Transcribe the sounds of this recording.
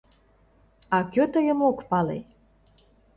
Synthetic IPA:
ɑkøt̪əjə̆mokpɑlḛ

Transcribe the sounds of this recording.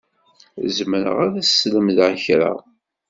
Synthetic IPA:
zməɾə̰ʁaðæsləmðʕçɾa̰

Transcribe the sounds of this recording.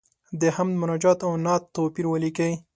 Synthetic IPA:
d̪əhamd̪mʊnɑd͡ʒɑt̪awnɑt̪ːopiɾwəlikəj

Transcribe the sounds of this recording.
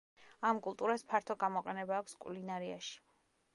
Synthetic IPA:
amkʼulˠt̪ʼuɾaspʰaɾt̪ʰɔɡamɔqʼɛnɛbaːkʷʰskʼwlinaɾia̰ʃi̥

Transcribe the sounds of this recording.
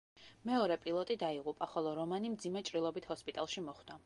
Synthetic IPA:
mɛɔɾɛpʼilˠɔt̪ʼid̪aiʁupʼaχɔlˠɔɾɔmanimd̪zimɛt͡ʃʼɾilˠɔbit̪ʰhɔspʼit̪ʼalˠʃimɔχd̪̥a

